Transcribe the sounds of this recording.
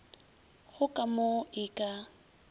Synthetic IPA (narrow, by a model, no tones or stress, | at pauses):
ɣʊkʼamoɪkʼa